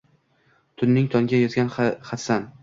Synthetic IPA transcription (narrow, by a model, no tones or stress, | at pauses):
t̪ʰʊnːɪŋt̪ʰɒŋɡʲajɒzɡʲanχat̪san